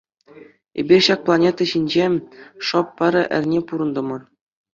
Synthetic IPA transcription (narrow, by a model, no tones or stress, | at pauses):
ḛbʲirʲɕɑk̚plˠɑnʲet̪ɑɕinʲd͡ʑeʂɤpːɑɾʲɘ̆ʔɘ̰̆rʲnʲepuɾɤ̆nd̪ɤ̆mɤ̆r